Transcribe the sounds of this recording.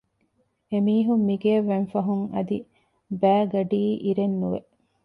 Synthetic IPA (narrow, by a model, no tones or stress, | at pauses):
emiːɦumːiɡeɐʋːenfɐɦuŋɐ̰d̪i | bæːɡɐɖiːʔiɾenːuʋḛ